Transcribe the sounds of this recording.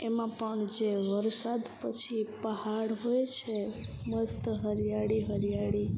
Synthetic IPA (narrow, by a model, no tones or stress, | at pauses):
emãpəɳd͡ʒeʋəɾsad̪pət͡ʃʰipəɦaɽɦojt͡ʃʰeməst̪ɦəɾjaɽiɦəɾijaɽi